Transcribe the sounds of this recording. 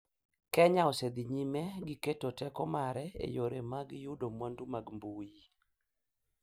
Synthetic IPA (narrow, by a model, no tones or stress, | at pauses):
kɛɲaɔsed̪iɲimɛɡiketotɛkɔmaɾɛḛjoɾemaɡjudomwandumaɡmbuji